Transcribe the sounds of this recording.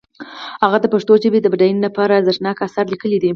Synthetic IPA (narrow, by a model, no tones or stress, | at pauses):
haɣad̪əpaʂt̪oʒəbed̪əbaɖajnlapɑɾazaʃnɑkasaɾlikəlid̪i